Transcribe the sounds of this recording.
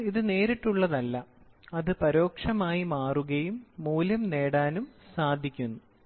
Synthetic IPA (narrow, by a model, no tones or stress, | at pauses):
iðɨne̞ːɾiʈːuɭːɐðɐlːɐ | ɐðɨpɐɾo̞ːkʂɐmaːjimaːruɣɐjumːuːlɐmne̞ːɽaːnumsaːd̪ʱːikʲːunːu